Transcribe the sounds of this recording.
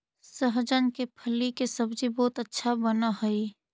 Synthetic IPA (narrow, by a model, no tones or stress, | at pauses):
səɦd͡ʒənkepʰəlikesəbd͡ʒibɔːt̪ətːʃʰabənaɦəi